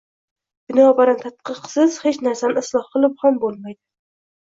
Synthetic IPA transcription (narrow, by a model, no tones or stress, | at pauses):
b̥ɪnɒːbaɾant̪ʰat̪̚qʰɨqsɪz̥het͡ʃnaɾsanɪɪslˠɒhqɨlˠɪp̚hambolˠmajd̪ɪ